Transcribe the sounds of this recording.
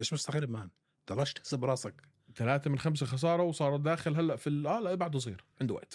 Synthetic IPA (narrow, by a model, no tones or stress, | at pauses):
ʔeːʃmʊst̪aɣɪɾːɪbmaːn | t̪ɑlˤɑʃt̪hsabɾˤɑːsɑk | t̪alaːt̪amɪnxams̬axɑs̬ɑːɾˤɑwsˤɑːɾˤɑt̪̚d̪aːxɪlɦalːæʔfiʔæːlæʔbaʕd̪ɑzˤḭːɾʕɪnd̪wa̰ʔt̪